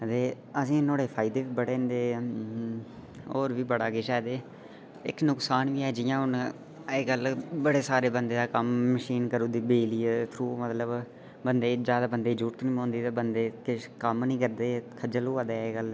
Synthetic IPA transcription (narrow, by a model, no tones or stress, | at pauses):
t̪eː | əsĩːnoːɽeːpʰaːɪd̪eːʋiːbəɽeːnd̪eː | oːɾʋiːbəɽaːkɪːʃɛːd̪eː | ɪ̰knʊksaːnʋiːɛːd͡ʒɪjãːʊn | eːɡəlbəɽeːsaːɾeːbənd̪eːd̪aːkəmːəʃiːnkəɾõːd̪iːbeːliːɛt̪ʰɾuːmət̪ləb | bənd̪eːd͡ʒjaːd̪aːbənd̪eːd͡ʒuːʈ̚t̪oːnĩːõːnd̪iːt̪aːbənd̪eːkɪkəmnĩːkəɾd̪eːkʰəd͡ʒəloːaːd̪eːɡəl